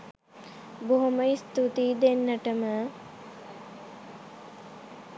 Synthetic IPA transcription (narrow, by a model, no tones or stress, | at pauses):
boɦuməist̪ut̪iːd̪enːəʈəmə